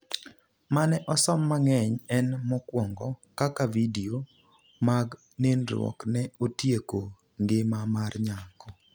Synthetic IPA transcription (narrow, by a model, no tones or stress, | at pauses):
manɛʔɔsɔmːaŋɛɲɛnmɔkwɔŋɡɔkakavidio | maɡ | nɪnɾwɔ̰knɛotjeko | ŋɡɪmamarɲakɔ